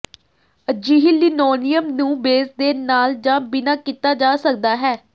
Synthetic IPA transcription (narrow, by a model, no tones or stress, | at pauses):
əd͡ʒiːɦɪlːiːnɔːnɪjəmnũːbeːsd̪eːnaːld͡ʒãːbɪnaːkit̪aːd͡ʒaːsək̚d̪aːɦɛː